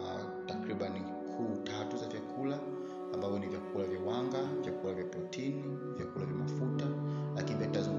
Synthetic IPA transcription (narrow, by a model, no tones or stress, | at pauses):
takɾiɓani | kʰuːtatuzavjakʰulaː | mbavɔnivjakulavjawaŋɡavjakulavjapɛtʰini | vjakulavjamafutalakinivatazu